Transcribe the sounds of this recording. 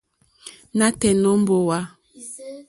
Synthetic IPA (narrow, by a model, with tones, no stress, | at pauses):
na˦tɛ˨nɔ˦m˦bo˨wa˦